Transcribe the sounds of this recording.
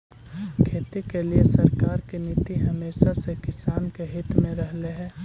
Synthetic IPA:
kʰeːt̪ekeliesɐɾkaːɾkinit̪iɦɐmeːʃasekɪsaːnkeɦɪt̪mẽɾəɦleɦɛ̃ː

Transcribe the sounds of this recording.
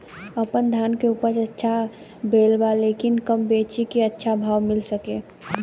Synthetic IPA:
əpənd̪ʱaːnkeuːpəɾətːʃʰa | bʱeːlbaleːkɪnkəmbeːt͡ʃikeətːʃʰabʱaːʋmɪlsəkeː

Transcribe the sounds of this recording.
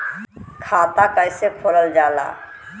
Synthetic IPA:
kʰaːt̪akəɪsekʰoləld͡ʒaːla̰ː

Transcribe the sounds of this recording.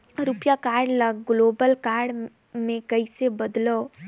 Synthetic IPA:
ɾupjakaɾɖləɡɡlobəlkaɾɖ | mẽkəɪsebəd̪lɔ

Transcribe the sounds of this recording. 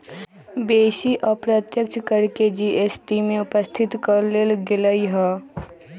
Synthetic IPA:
beːʃiʔɔpɾət̪jəkt͡ʃʰkəɾked͡ʒiʔesʈimẽʊpəst̪ʰɪt̪kəɾleːlɡɪləiɦɛː

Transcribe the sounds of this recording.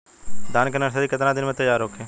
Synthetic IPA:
d̪ʱaːnkəɾnəɾsəɾiːkət̪ɾãːd̪ɪnmẽːt̪əjaːɾɦoːkʰeː

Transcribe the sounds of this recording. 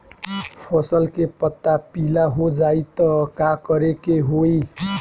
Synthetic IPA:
pʰʌsʌlkepʌt̪ːapilaɦod͡zait̪ʌkakʌɾekeɦoi

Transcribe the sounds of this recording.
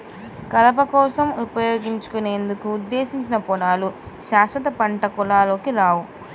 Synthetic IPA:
kɐlɐp̬ɐkɔːsɐmupɐjoːɡiɲt͡ʃu̥kune̞ːnd̪ukuːd̪ːe̞ːsiɲt͡ʃinɐpɔnaːluʃaːsʋɐt̪ɐpɐɳʈɐkɔlaːlo̞ːkiɾaːwu

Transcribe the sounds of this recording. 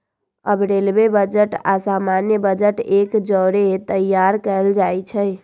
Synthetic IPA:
əbɾelbebəd͡ʒəʈa̰samanjəbəd͡ʒəʈekd͡ʒɔɾet̪əjjaɾkəld͡ʒajt͡ʃʰə

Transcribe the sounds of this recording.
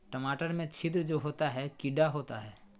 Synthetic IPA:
ʈəmaːʈəɾmẽt͡ʃʰɪd̪ɾd͡ʒoːɦoːt̪aɦɛkɪɖaɦoːt̪a̰ɦɛː

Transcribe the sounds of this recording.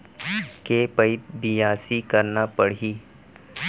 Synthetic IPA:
kepɐɪt̪̚bɪjaːsikɐɾnapɐɽ̤iː

